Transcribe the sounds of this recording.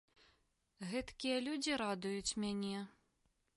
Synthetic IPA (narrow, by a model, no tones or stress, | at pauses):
ɣɛt̪kʲijɐlʲud͡zʲiɾad̪ujut͡sʲmʲanʲɛ